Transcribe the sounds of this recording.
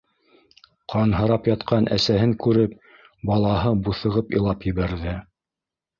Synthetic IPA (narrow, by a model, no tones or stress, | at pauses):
qʰɑnɦɤ̆ɾɑpjɑt̪qʰɑnʔæsæɦɘŋkʉɾɘp̚ | bɑlˠɑɦɤbuθɤ̆ʁɤpilˠɑpjɘ̆βæɾðɘ